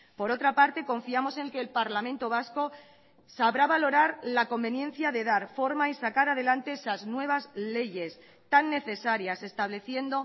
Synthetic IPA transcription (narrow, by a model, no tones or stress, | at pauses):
po̞ɾo̞t̪ɾapaɾt̪e̞ko̞ɱfiamo̞se̞ŋke̞ːlpaɾlamẽ̞nt̪o̞β̞asko̞ | saβɾaβalo̞ɾaɾlako̞mbe̞nje̞n̟θjaðe̞ðaɾfo̞ɾmaisakaɾaðe̞lant̪e̞esaznwe̞β̞azle̞ʝe̞s | t̪anːe̞θe̞saɾjase̞st̪aβle̞θje̞nd̪o̞